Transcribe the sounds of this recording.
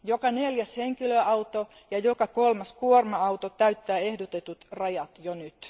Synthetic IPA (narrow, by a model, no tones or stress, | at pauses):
jokɑneljæsheŋkiløɑwt̪o | jɑjokɑkolmɑskuormɑɑwt̪ot̪æyt̪ːæːehdot̪et̪ut̪rɑjɑt̪jonyt̪